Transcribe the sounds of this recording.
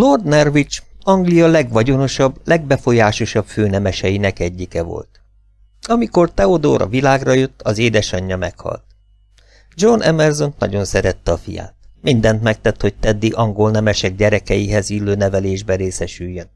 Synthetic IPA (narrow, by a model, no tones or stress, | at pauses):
lord̪nɛrvit͡ʃɒŋɡlijɒlɛɡʋɒɟo̞no̞ʃɒblɛɡ̚bɛfo̞jaːʃo̞ʃɒbføːnɛmɛʃɛjinɛkɛɟːikɛvo̞̰lt̪ | ɒmiko̞rt̪ɛod̪o̰ːɾɒ̰vilaːɡrɒjøt̪ːɒzeːd̪ɛʃɒɲːɒmɛkhɒ̰lt̪̚ | d͡ʒonʔɛmɛrzonnɒ̰ɟo̞nsɛɾɛt̪ːɛɒfḭja̰ːt̪̚mind̪ɛnt̪mɛk̚t̪ɛt̪ho̞c̚t̪ɛd̪ːiʔɒŋɡo̞lnɛmɛʃɛɡ̚ɟɛɾɛkɛjiɦɛzilːøːnɛvɛleːʒbɛɾeːsɛʃyjːøn